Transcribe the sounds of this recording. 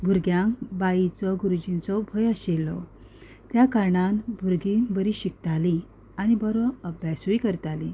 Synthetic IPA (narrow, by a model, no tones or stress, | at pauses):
bʱuɾɡjãŋkbait͡sɔɡuɾud͡ʑint͡sɔbʱəjəɕelɔ̰ | t̪jakaɾɳanbʱuɾɡibəɾiɕikt̪ali | anibəɾɔəbjasuikəɾt̪alḭ